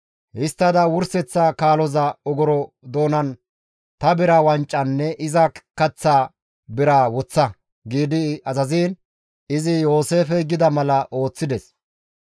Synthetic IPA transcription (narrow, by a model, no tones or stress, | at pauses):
hɪst̪ːɐd̪ɐwʊɾsɛt͡sːakaːlɔzɐɔɡɔɾɔ | d̪o̞ːnɐn | t̪ɐbɪɾawɐnt͡ʃʼːɐnːɛʔɪzɐkɐt͡sːaː | bɪɾaːwɔt͡sːɐ | ɡiːd̪ɪɐzɐziːn | ɪzɪjo̞ːse̞ːfɛɡɪd̪ɐmɐlɐʔo̞ːt͡sːɪd̪ɛs